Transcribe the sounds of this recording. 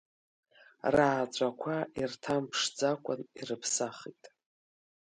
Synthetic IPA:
raːt͡ɕʷʼakʷʰairtʰampʰʂd͡zakʷʼʊnirɨpʰsaχitʼ

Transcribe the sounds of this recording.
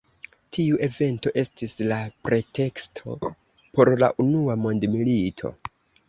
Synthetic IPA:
tʰiuʔe̞ve̞nto̞ʔe̞stislapɾe̞te̞kstʰo̞̰ | po̞ɾla̰ʔunuamo̞ndmilitʰo̞̰

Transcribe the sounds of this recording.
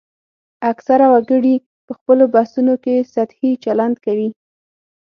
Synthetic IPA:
aksaɾawaɡəɽi | pəxpəlobasunokesat̪hit͡ʃaland̪kawi

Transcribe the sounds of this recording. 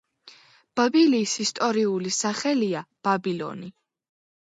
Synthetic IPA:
b̥abiliːsist̪ʼɔɾiulisaχɛliab̥abilɔ̰ni

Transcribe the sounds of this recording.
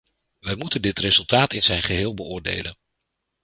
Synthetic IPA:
ʋɛjmutəndɪtrezɵlˠtaːtɪnz̥ɛjnχəɦɪːlˠbəʊːɹdḛjlən

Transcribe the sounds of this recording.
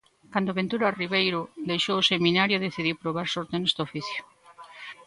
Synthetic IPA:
kand̪ʊβent̪uɾariβejɾʊd̪ejʃowoseminaɾjʊðeθiðiwpɾoβaɾsoɾt̪enest̪ofiθjʊ̥

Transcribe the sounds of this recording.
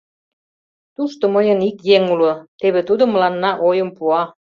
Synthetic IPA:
t̪uʃt̪oməjənikjeŋulŏt̪eβet̪ud̪ŏməlɑnːɑʔojɤ̆mpuɑ

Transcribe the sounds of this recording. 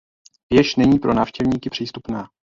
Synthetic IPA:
vjɛʃnɛɲiːpɾʔo̞naːfʃcɛvɲiːkɪpr̥iːst̪upnaː

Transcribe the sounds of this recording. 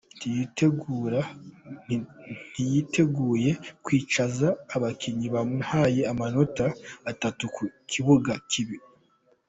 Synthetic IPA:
ntijiteɡuɾa | n̥ijitʰe̞ɡuːje̞kwiːt͡ʃazaːβakʰiɲiβamun̥haːje̞amano̞taːtatukukʰiβuɡakʰiβiɾi

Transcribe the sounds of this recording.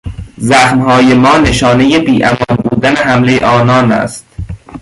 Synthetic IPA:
zæxmhɒːjemɒːne̞ʃɒːne̞jebiːʔæmɒːnbuːd̪æneɦæmlejḛʔɒːnɒːnæ̰st̪̚

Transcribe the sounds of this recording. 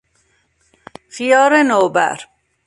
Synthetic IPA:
xijɔːɾenoːbæ̰ɾ

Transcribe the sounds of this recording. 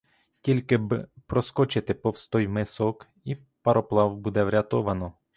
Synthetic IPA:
tʲilʲkɪbpɾɔskɔt͡ʃɪt̪ɪpɔwst̪ɔjmɪsɔk | i | pɐɾɔplˠɑwbud̪ɛʋɾʲɐt̪ɔʋɐnɔ

